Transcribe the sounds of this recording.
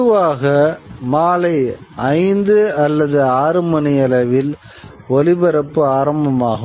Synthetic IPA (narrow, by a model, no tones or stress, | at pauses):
ɯʋaːɣɐmaːlɐɪɐɪnd̪ɯɐlːɐðɯaːɾɯmɐnɐjɐlɐʋɪl | ɔlɪbɐɾɐpːɯaːɾɐmbɐmaːɣɯ